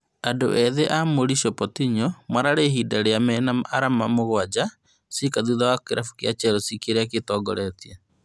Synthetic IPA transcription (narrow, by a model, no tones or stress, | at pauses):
ado̰ʔɛðeʔamoɾiʃɔpɔtiɲɔmwaɾaɾeɦiːdaɾeamɛnaaɾamamoɣwad͡ʒa | sikaðuðawakeɾʔafu̥kjat͡ʃɛɾɔsikeɾeak̬etɔːɡɔɾɛtia